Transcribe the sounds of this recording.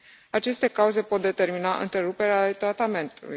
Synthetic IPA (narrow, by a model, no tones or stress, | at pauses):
at͡ʃe̞st̪e̞kauze̞po̞t̪̚d̪e̞t̪e̞rminaʔɨ̰nt̪ɾe̞ɾupe̞ɾealet̪ɾat̪ame̞nt̪ulṵj